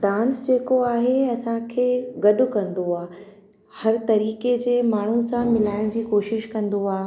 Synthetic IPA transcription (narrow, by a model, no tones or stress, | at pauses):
ɖãːnsd͡ʑeːkoaːɦeɐsãkʰeːɡɐɗʊ̆kɐ̃nd̪oaː | hɐɾt̪ɐɾiːked͡ʑeːmaːɳ̤usãmɪlaːɪɽ̃d͡ʑiːkoːʃɪʃkɐ̃nd̪oaː